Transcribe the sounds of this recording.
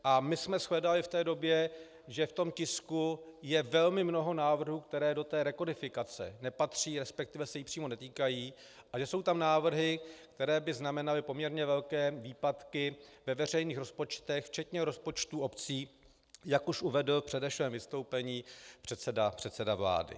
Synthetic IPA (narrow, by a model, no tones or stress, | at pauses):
ʔamɪsmɛsxlɛdalɪft̪ɛːdo̞bjɛ | ʒɛft̪o̞mcɪskujɛvɛlmɪmno̞ɦo̞naːvr̩ɦuːk̚t̪ɛɾɛːdo̞t̪ɛːɾɛkodɪfɪkat͡sɛ̰nɛpat̪r̝̥iːɾɛspɛk̚t̪ɪvɛsɛjipr̝̥iːmo̞nɛt̪iːkajiː | ʔaʒɛso̞wt̪amnaːvr̩ɦɪk̚t̪ɛɾɛːbɪznamɛnalɪpo̞mɲɛɾɲɛvɛlkɛːviːpat̪kɪvɛvɛr̝ɛjniːxɾo̞spo̞t͡ʃt̪ɛxft͡ʃɛt̪ɲɛɾo̞spo̞t͡ʃt̪uo̞pt͡siː | jakuʃʔuvɛdl̩fpr̝̥ɛdɛfʃvɛːmvɪst̪o̞wpɛɲiːpr̝̥ɛt̪sɛdapr̝̥ɛt̪sɛdavla̰ːdɪ̰